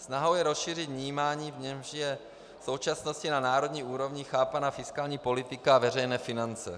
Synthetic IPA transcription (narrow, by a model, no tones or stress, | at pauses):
snaɦo̞wjɛɾosʃiːr̝ɪt̪vɲiːmaːɲiːvɲɛmʒjɛ | so̞wt͡ʃasnoscɪnanaːɾo̞d̪ɲiːʔuːɾo̞vɲɪxaːpanaːfɪskaːlɲiːpo̞lɪt̪ɪkaavɛrɛjnɛːfɪnant͡sɛ̰